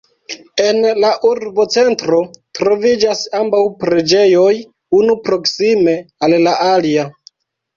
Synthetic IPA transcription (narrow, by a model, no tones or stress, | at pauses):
e̞nlaʔuɾbo̞t͡se̞ntɾo̞tɾo̞vid͡ʒasambawpɾe̞d͡ʒe̞jo̞j | unupɾo̞ksime̞allaʔalia